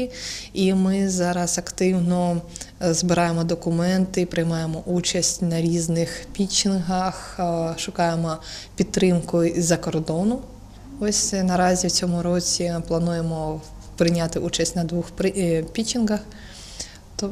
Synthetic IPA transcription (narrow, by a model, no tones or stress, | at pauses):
imɪzɑɾɐzɐkt̪ɪwnɔ | zbɪɾɑjemɔd̪ɔkʊmɛnt̪ɪpɾɪjmɑjemɔʔut͡ʃɐsʲtʲnɐɾʲiznɪxpʲit͡ʃʲɪnɦɐxʃʊkɑjemɔpʲid̪t̪ːɾɪmkʊizɐkɔrd̪ɔnʊ | ɔsʲnɐɾɑzʲiwt͡sʲɔmʊɾɔt͡sʲiplˠɐnujemɔ | pɾɪnʲat̪ɪʔut͡ʃɐsʲtʲnɐd̪ʋuxppʲit͡ʃinɦɐx | t̪ɔ